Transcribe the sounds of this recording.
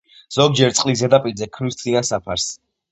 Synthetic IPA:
z̥ɔɡ̚d͡ʒɛɾt̪sʼqʼlizɛd̪apʼiɾzɛkʰmist̪ʰʼχiansapʰaɾs

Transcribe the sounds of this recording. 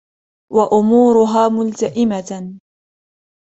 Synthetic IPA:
waʔʊmuːɾʊɦaːmʊlt̪aʔɪma

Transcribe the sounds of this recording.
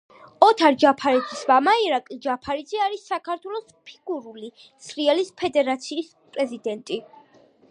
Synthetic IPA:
ɔt̪ʰaɾd͡ʒapʰaɾɛd̪zismamaiɾakʼlid͡ʒapʰaɾid̪zɛaɾisːakʰaɾt̪ʰwɛlˠɔspʰi̥ɡuɾuli | sɾiɛlispʰɛd̪ɛɾat̪sʰiːs | pʼɾɛzid̪ɛnt̪ʼi

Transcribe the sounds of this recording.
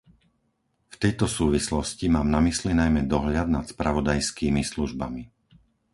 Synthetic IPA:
ft̪ɛjt̪ɔsuːʋislɔscimaːmnamislinajmɛd̪ɔɦʎad̪nat̪spɾaʋɔd̪ajskiːmisluʒba̰mi

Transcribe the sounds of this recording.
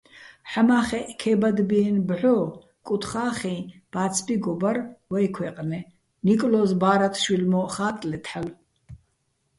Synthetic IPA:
ħamaːχɛʔkʰɛːbad̪binbʕɔ | kʼut̪ʰχaːχĩb̥at͡sʰbiɡɔbarwɛjkʰwɛqʼnɛ | nikʼlɔzbaːɾat̪ʰʃwilmɔχaːt̪ʼlɛt̪ʰħal

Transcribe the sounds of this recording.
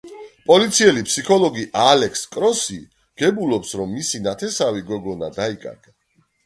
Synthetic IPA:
pʼɔlit̪sʰiɛlipʰsikʰɔlˠɔɡiʔalɛkskʼɾɔsi | ɡ̥ɛbulɔpsɾɔmːisinat̪ʰɛsaviɡɔɡɔnad̪aikʼa̰ɾɡa

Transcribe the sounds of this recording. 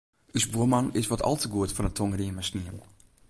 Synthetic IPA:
ysbuəmanɪsʋɔtʰɔ̰lˠtəɡuətfɔnətʰoŋriənmasniəm

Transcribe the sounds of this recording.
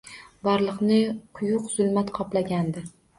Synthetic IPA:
bɒɾlˠɨqnɪqʰʊjʊqz̥ʊlˠmat̪qʰɒplaɡʲand̪ɪ

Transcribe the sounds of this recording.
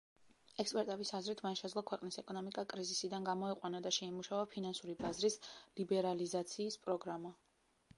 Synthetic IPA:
ɛkspʼɛɾt̪ʼɛbisazɾit̪ʰmanʃɛd̪zlˠɔkʰwɛqʼnisɛkʼɔnɔmikʼakʼɾizisid̪anɡamɔɛqʼwanad̪aʃɛimuʃavapʰinansuɾibazɾislibɛɾalizat̪sʰiːspʼɾɔɡɾama

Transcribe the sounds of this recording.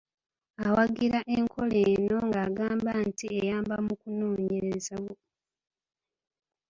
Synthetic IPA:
awaɡiɾaʔeŋkʰo̞leːno̞ŋɡaːɡaːmbantiejaːmbamukunoːɲe̞ɾezawo

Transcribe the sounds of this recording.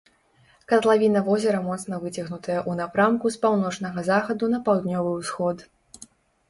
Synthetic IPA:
kɐt̪lˠavʲinɐvɔzʲɛɾɐmɔt̪snɐvɨt͡sʲɐɣnut̪ɐjɐʔunapɾamkuspawnɔt͡ʂnɐɣɐzaxɐd̪unɐpawd̪nʲɔvɨwsxɔt̪

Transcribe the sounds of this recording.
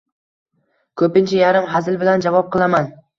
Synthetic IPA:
kʰɵpɪnt͡ʃʰajaɾɪmɦazɪlˠbɪland͡ʒavɒp̚qʰɨlˠaman

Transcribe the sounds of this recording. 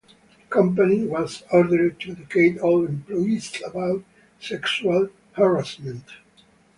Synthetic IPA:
kʰʌ̃mpaniwɔzɔɹd̪əɹd̚t̪ʰud̪ɛkʰeɪtɔlɛ̃mplɔjisabawt | sɛksual | haɹasmɛ̃nt

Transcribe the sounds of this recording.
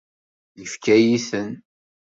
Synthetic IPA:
jəfkæjiθən

